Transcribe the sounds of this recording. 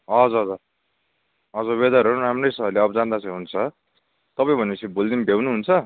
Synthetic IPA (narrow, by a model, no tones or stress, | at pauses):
ʌd͡zʌʌd͡zʌ | ʌd͡zʌbed̪aɾʌɾũramrʌjsʌɦʌleʌbʌd͡zand̪at͡sʌ̃j̃ɦunt͡sʰʌ | t̪ʌpãĩbʱʌneʌt͡sʰibold̪inbʱewnuɦunt͡sʰʌ